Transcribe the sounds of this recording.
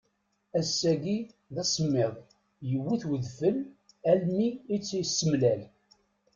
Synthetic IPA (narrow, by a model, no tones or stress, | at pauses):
æsːæɡi | ðæsˤəmːɪðˤ | jəwːiθwəðfəl | ælmiːt͡sːijsːəmlæl